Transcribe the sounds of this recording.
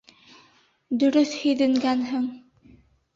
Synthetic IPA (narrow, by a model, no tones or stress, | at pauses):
d̪ɵ̆ɾɵθhɵ̆jðɘ̆ŋɡænɦɘŋ